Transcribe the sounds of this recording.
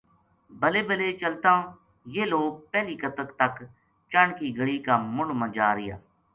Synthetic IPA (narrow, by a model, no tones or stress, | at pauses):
bəleːbəleːt͡ʃəlt̪ãː | jeːloːɡ̚pɛːliːkət̪əkt̪ək | t͡ʃəɳkiːɡəɽiːkaːmʊ̃ɳɖmə̃d͡ʒaːɾɪja̰ː